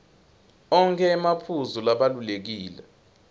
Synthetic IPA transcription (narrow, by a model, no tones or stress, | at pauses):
ɔŋkʰɛːmapʰuzulaɓalulek̬iːlɛ